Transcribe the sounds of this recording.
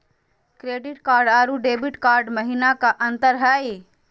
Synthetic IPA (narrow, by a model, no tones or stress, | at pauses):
kɾeːɖɪʈkaːɾɖaːɾuɖeːbɪʈkaːɾɖməɦinakaʔə̃nt̪əɾɦɛj